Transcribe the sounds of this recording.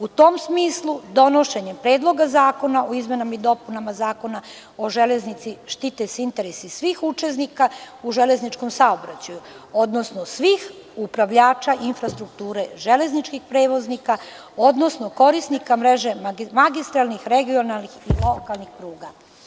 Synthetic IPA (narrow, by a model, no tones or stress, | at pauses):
ut̪o̞ːmsmiːslˠud̪o̞no̞ʃe̞ɲempɾe̞ːd̪lˠo̞ɡazaːko̞naʔoizme̞namaid̪o̞punamazaːko̞na | o̞ʒeleznit̪siʃt̪it̪esint̪eɾesisʋixut͡ʃesnika | uʒeleznit͡ʃko̞msaobɾat͡ɕaju | o̞d̪nosnosʋix | upɾaʋʎaːt͡ʃaʔinfɾast̪ɾuk̚t̪uːɾe̞ʒele̞znit͡ʃkixpɾeːʋo̞znika | o̞d̪no̞snoko̞ɾisnikamɾeʒe̞mmaɡist̪ɾalˠnixɾeɡio̞nalnixilo̞kalˠnixpɾuːɡa